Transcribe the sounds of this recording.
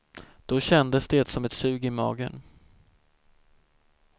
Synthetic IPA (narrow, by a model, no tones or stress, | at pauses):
d̪̥ɔɕɛnd̪əsd̪eːt̪sɔmɛt̪sʉ̟ːɡɪmɑ̰ːɡə̰n